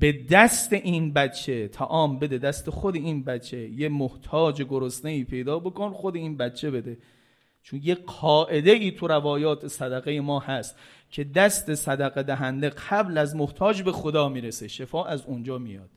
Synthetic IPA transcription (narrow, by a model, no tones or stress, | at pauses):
be̞d̪æst̪e̞ʔiːnbæt͡ʃʰːe̞t̪ʰæʔɒːmbe̞d̪e̞d̪æst̪exod̪e̞iːnbæt͡ʃʰːe̞jemoht̪ʰɒːd͡ʒeɡoɾosneiːpʰe̞jd̪ɒːbokonxod̪eiːnbætt͡ʃʰːe̞be̞d̪e̞ | t͡ʃʰonjeqʰɒːʔe̞d̪e̞iːt̪ʰuɾævɒːjɒːt̪ʰesæd̪æɣejemɒːhæst̪ | cʰe̞d̪æst̪e̞sæd̪æɣed̪æɦænd̪e̞qʰæblæzmoht̪ʰɒːd͡ʒbe̞xod̪ɒːmiːɾeseʃefɒːʔæzond͡ʒɒːmijɒ̰ːd̪̥